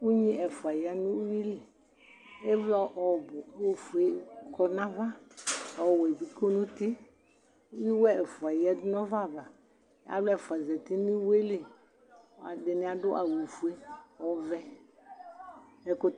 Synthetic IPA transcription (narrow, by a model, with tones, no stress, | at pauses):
u˦ɲĩ˦ʔɛ˨fu˨a˨ja˨nũ˦wi˦li˨ | e˦vlɔ˦ʔɔ˨bʊ˨˦wo˦fu˨e˦kɔ˦nã˦va˦ɔ˨wɛ˨bi˨ko˦nũ˦t̪i˦ | u˦wi˦wɛ˦ɛ˨fu˨a˨ja˦dʊ˦nɔ̃˦va˦˨va˨ | ja̰˦blɔ˦ɛ˨fa˨zɛ˨t̪i˦nĩ˦we˦le˨ | a˨dɪ˨nɪ̃˨a˨dʊ˦ʔa˨wo˨fu˨e˦ɔ˨vɛ˦ | ɛ˨ko˨